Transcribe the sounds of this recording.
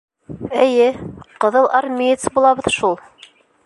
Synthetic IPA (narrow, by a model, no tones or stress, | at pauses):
ɘ̆jɘqɤ̆ðɤlˠʔɑɾmʲit̪sbulˠɑβɤ̆ðʃulˠ